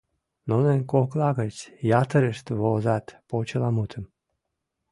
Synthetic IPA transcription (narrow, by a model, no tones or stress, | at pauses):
nonenkoklɑɣət͡sʲjɑt̪əɾəʃt̪vozɑt̪pot͡ɕəlɑmut̪ʰəm